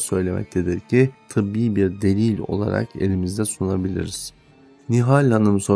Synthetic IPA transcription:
sø̞jlʲemʔɛ̰c̚t̪ʰed̪ɛɾcʰit̪ʰɯbiːbiɾd̪e̞lʲilʲo̞̰lˠa̰ɾa̰ke̞̰lʲimizd̪ɛsunabilʲḭɾiz̥ | niɦalʲanɯmso

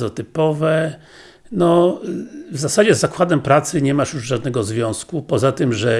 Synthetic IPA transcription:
ɔt̪ɘpɔvɛ | nɔ | vzasad͡ʑɛzːakwad̪ɛmpɾat̪sɘɲɛmaʂjuʐʐad̪nɛɡɔzvʲjɔ̃w̃skupɔzat̪ɘmʐɛ

